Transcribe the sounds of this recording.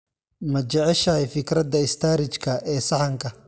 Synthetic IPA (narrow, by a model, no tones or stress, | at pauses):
mɐt͡ʃɛʕɛʃɐhɛjfɪkɾɐd̪ɐɪst̪ʰaːɾɪt͡ʃkʰɐʔɛːsɐħɑŋkʰɐ